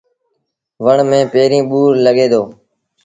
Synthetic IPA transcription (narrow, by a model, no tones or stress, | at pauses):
ʋəɳmẽːpeːɾĩːɓuːɾləɠeːd̪oː